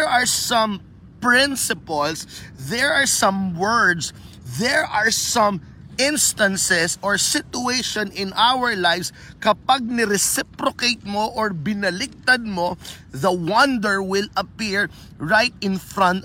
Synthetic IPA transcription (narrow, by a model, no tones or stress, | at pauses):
ɹaɹsɐ̃m | pɹɪ̃nsɪpɐlsðɛɹaɹsɐ̃mwɛɹd̪s | ðɛɹʔaɹsɐ̃m | ʔɪ̃nst̪ɐ̃nsɛsɔɹsɪt̪ʊejʃɔnɪ̃nʔawəɹlajvs | kɐpaɡ̚nɪɾɛsɪpɾokejt̪̚moʔɔɹbɪnɐlɪk̚t̪ɐd̪̚mo | ðɐwɐ̃nd̪ɛɹwɪlɐpiɹ | ɹajt̪̚ɪ̃nfɹɐ̃nt̪